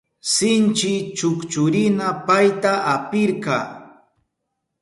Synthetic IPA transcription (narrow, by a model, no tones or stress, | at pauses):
sɪnt͡ʃɪt͡ʃʊkt͡ʃʊɾɪnapajt̪aʔapɪɾkɑː